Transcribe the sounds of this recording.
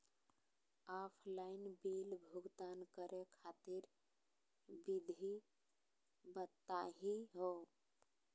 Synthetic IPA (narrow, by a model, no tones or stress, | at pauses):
apʰlainbilbʱuɡd̪ankəɾekʰat̪iɾ | bid̪ʱi | bət̪ːaɦiɦo